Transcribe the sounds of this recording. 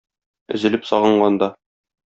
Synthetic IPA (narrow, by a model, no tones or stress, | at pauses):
ɘ̆zɘ̆lɘpsɒʁɤ̆ɴɢɑnd̪ɑ